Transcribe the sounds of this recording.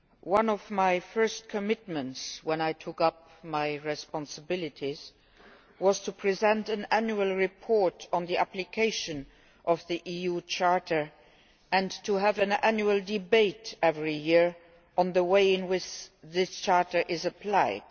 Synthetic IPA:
wʌ̃nɔvmaɪfɜ˞st̚kʰəmɪt̚mə̃ntswɛ̃naɪtʰʊkʌp̚maɪɹɛspɑ̃nsəbɪlɨtʰiz̥ | wɔz̥tʰupʰɹ̥izɛ̃ntɨ̃nænjuəlˠɹipʰɔɹtɔ̃n̩ðiæplikʰeɪʃə̃n | ʔɔvðiʔijut͡ʃʰɑɹtə˞ | ɨ̃ntʰuævɨ̃nænjuəlˠdɪbeɪtɛvɹijɪɹ | ə̃nðəweɪɪ̃nwɪt͡ʃðɪst͡ʃʰɑɹtə˞ʔɪzəpʰl̥aɪd̥

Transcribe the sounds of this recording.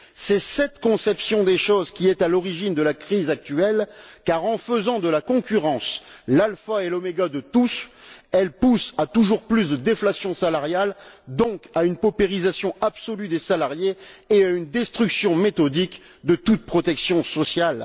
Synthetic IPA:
sɛsɛt̪kɔ̃sɛpsjɔ̃d̪eʃozkʲiɛt̪alɔʁiʒind̪əlakχizak̚t̪yɛlkaʁɑ̃fəzɑ̃d̪əlakɔ̃kʲyʁɑ̃slalfaelɔmeɡad̪ət̪usɛlpusat̪uʒuʁplysd̪əd̪eflasjɔ̃salaʁjald̪ɔ̃kaynpɔpeʁizasjɔ̃apsɔlyd̪esalaʁjeːaynd̪ɛst̪χyksjɔ̃met̪ɔd̪ik | d̪ət̪ut̪̚pχɔt̪ɛksjɔ̃sɔsjal

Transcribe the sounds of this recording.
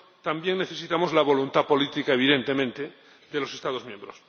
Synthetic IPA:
t̪ambje̞ŋneθe̞sit̪amo̞zlaβ̞o̞lunt̪apo̞lit̪ikaeβ̞iðe̞nt̪e̞mẽ̞nt̪e | ðelo̞sest̪að̞o̞zmjẽmbɾos

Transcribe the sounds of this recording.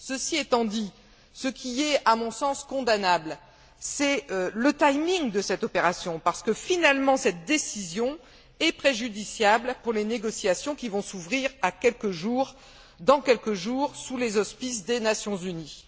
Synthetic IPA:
səsiɛt̪ɑ̃d̪i | səkʲʰiɛamɔ̃sɑ̃skɔ̃d̪anabl | sɛlət̪ajmĩŋd̪əsɛt̪ɔpeʁasjɔ̃paʁsə̥kəfinalmɑ̃sɛt̪̚d̪esizjɔ̃ | ɛpχeʒyd̪isjablpuʁleneɡɔsjasjɔ̃kʲivɔ̃suvʁiʁakʲɛlkəʒuːʁ | d̪ɑ̃kʲɛlkəʒuʁsulezɔspis̬d̪enasjɔ̃zyni

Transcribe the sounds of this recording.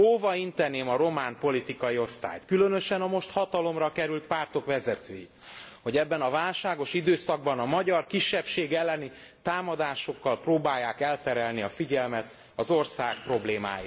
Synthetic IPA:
oːvɒint̪ɛneːmɒɾo̞maːnpo̞lit̪ikɒjio̞st̪a̰ːjt̪kylø̞nø̞ʃɛnɒmo̞ʃt̪hɒt̪ɒlo̞mrɒkɛɾylt̪̚paːrt̪o̞kʋɛzɛt̪øːji | ho̞ɟɛbːɛnɒvaːlʃaːɡo̞ʃid̪øːsɒɡ̚bɒnɒmɒɟɒrkiʃːɛpʃeːɡɛlːɛni | t̪aːmɒd̪aːʃo̞kːɒlproːbaːjːaːkɛlt̪ɛɾɛlniɒfiɟɛlmɛt̪ | ɒzo̞rsaːk̚pro̞bleːma̰ːjḭ

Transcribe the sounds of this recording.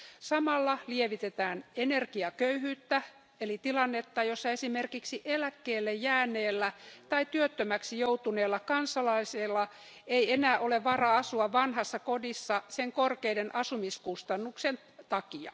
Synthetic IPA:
sɑmɑlːɑlieʋit̪et̪æːnenerkiɑkøyhyːt̪ːæ | elit̪ilɑnːet̪ːɑjosːɑesimerkiksiʔelækːeːlːejjæːnːˑeːlːæt̪ɑit̪yøt̪ːømæksijout̪uneːlːɑkɑnsɑlɑiselːɑ | eienæːʔoleʋʋɑrɑɑsuɑʋɑnhɑsːɑkodisːɑseŋkorkeidenʔɑsumiskust̪ɑnːuksen | t̪ɑkiɑ̰

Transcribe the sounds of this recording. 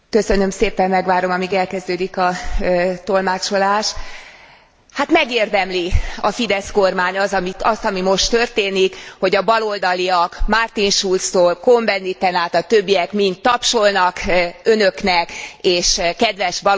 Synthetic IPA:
kø̞sø̞nø̞mseːpɛmmɛɡʋaːɾo̞mɒmiːɡɛlkɛzd̪øːd̪ikɒ | t̪o̞lmaːt͡ʃo̞laːʃ | hat̪mɛɡeːrd̪ɛmliɒfid̪ɛsko̞rmaːɲɒzɒmiɒst̪ɒmimo̞ʃt̪ørt̪eːnikho̞ɟɒbɒlo̞ld̪ɒliɒkmaːrt̪inʃult̪st̪oːlko̞mbɛnːit̪ɛnaːt̪ɒt̪ø̞bːiɛkmint̪ːɒpʃo̞lnɒkø̞nø̞knɛkeːʃkɛd̪ʋɛʃbɒ

